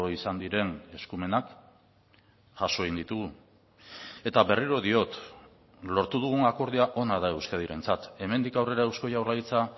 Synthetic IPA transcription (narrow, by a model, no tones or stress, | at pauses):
oisand̪iɾe̞ne̞skume̞nak | ʝasoeɣind̪it̪uɣu | e̞t̪aβe̞riɾo̞ðio̞t̪ | lo̞ɾt̪uðuɣ̞uŋako̞ɾðiaʔo̞naðae̞wskaðiɾe̞nt͡sat̪e̞me̞nd̪ikawre̞ɾaewsko̞jawrlait͡sa